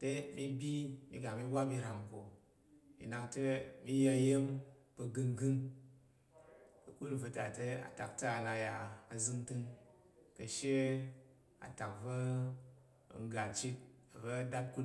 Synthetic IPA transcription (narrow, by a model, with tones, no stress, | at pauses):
te˦mi˦bʲi˦mḭ˧ɡa˨mi˦ba˦bi˧ɾa˨ŋko˨ | mḭ˨na˨ŋtɐ˦mi˦ja˧je˦mbə˧ɡɨ˧ŋɡɨ˦ŋ | kə˨ku˦n˨və˧ta˨tə˦a̰˨ta̰˨k̚ta˦a˨na˧ja˧a˨zɨ˧ŋtɨ˧ŋ | kɐ˧ʃe˦ | a̰˨ta˨kvɐ˦˨˧ | ŋ̩˦ɡa˨t͡ʃi˦t̚ | a˨vɐ˦da˦t̚ku˦